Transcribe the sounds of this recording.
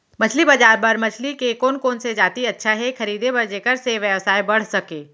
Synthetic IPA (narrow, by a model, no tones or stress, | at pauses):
mɐt͡ʃʰlibɐd͡ʒaːɾbɐɾmɐt͡ʃʰlikekoːnkoːnsed͡ʒaːt̪iɐtːʃʰaɦɛxɐɾiːd̪ebɐɾd͡ʒeːkəɾseʋjəʋsaːibɐɽ̤sɐkeː